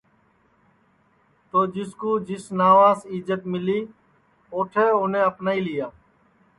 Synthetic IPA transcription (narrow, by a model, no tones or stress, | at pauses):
t̪oːd͡ʒɪskoːd͡ʒɪsnaːʋaːzɪːd͡ʒət̪mɪliː | oːʈʰeːʊnẽːəpnaːiːlɪjaː